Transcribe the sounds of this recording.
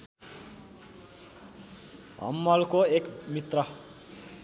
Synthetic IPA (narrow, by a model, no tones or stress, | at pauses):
ɦʌ̰mːʌlkoekmit̪rʌ